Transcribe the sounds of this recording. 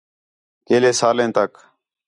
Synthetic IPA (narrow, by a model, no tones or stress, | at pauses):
keːleːsaːlẽːt̪ək